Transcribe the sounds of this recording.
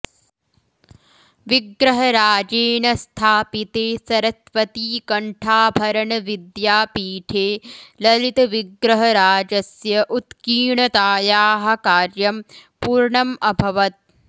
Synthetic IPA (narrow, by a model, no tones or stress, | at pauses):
ʋiɡɾɐɦɐɾaːd͡ʒeːnɐst̪ʰaːpit̪eːsɐɾɐsʋɐt̪iːkɐɳʈʰaːbʱɐɾɐɳɐʋid̪jaːpiːʈʰeːlɐlit̪ɐʋiɡɾɐɦɐɾaːd͡ʒɐsjɐʔut̪kiːɳɐt̪aːjaːɦɐ̆kaːɾjɐmpuːɾɳɐmɐbʱɐʋɐt̪̚